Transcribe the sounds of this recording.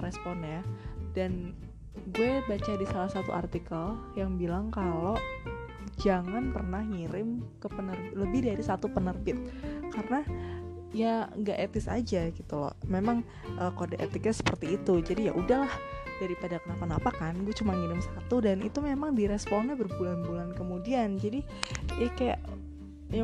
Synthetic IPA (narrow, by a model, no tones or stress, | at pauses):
ɾɛsponadan | ɡuabat͡ʃadisalahsat̪ṵʔa̰rt̪ikəljaŋbilaŋkalo | d͡ʒaŋanpərnahŋiɾɪmkəpənərbɪləbɪhdaɾisat̪upənərbɪt̪̚kaɾəna | ijaŋɡaʔet̪ɪsa̰d͡ʒaɡit̪ulɔ̰memaŋ | ʔəːkodaʔḛt̪ɪk̚ɲasə̥pərt̪iːt̪ud͡ʒadija̰ʔudahlahd̥aɾipadakənapanapakanɡuɛt͡ʃumaŋiɾɪmsat̪udanḭt̪umemaŋdiɾɛspɔnɲabərbulanbulankəmudiand͡ʒadi | jakaja̰ʔ | ja